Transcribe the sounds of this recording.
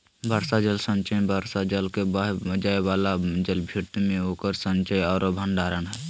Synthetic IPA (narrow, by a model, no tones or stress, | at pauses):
bʱaːɾsad͡ʒəlsə̃ɲt͡ʃəbʱaːɾsad͡ʒəlkebad͡ʒaːewaːlad͡ʒəlbʱiɾt̪imẽoːkəɾsə̃ɲt͡ʃəjɔːɾbʱə̃ɳɖaːɾənɦɛː